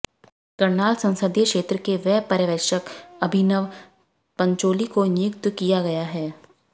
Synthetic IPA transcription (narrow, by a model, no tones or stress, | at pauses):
kɐɾnaːlsɐ̃nsəd̪jəkʃeːt̪ɾəkeʋɛːpɐɾjəʋɛːʃəkɐbʱɪnəʋ | pɐ̃ɲt͡ʃoːlikonɪkt̪wəkijaɡɐjaɦɛː